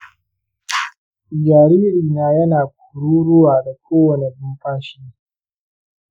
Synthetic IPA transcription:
jaː˨ɾiː˦ɾiː˨naː˦jɐ˦naː˨k̚ʷu̥ː˨ɽuː˦ɽʊ˦waː˨da˨kʷoː˦wɐ˨ne˨bʊ˦mɸaː˦ʃi˦

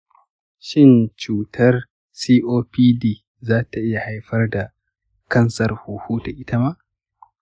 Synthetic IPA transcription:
ʃɪ˦nt͡ʃuː˨tʰɐ˦r | siː˦ʔoː˦piː˦diː˦˨ | zaː˦ta˨ʔɪ˦ja˨ha˦jɸɐ˦rda˨ | kɐ˦nsɐ˨rhuː˨hu˦ta˨ʔɪ˦ta˦ma˦ʔ

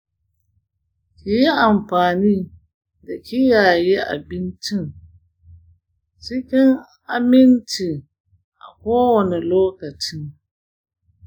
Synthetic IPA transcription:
kʲi˨ji˦ʔa˨mɸaː˨niː˦ | da˨kʲʰi˦jaː˨ji˦ʔa̰˨bɪ˦nt͡ʃɪ˦ŋ | t͡ʃɪ˦kʲɪ˦ŋ | a˦mɪ˦nti˨ | ʔa̰˨kʷoː˦wɐ˨nɛ˨loː˦kɐ˨t͡ʃɪ˦ŋ

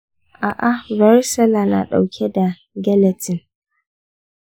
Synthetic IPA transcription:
ʔa˨ʔa˨va˨˦ɾsɛ˦la˨na̰˨ɗa̰˨wkʰʲɛ˦da˨ | ɡɛ˦lɛ˨tɪ˨n

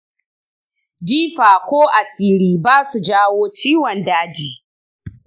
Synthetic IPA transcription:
diː˦ɸaː˨kʷoː˦ʔa˨siː˦ɾiː˦baː˦su˨d͡ʒaː˦woː˦t͡ʃiː˦wɔ˨ndaː˦d͡ʒiː˨

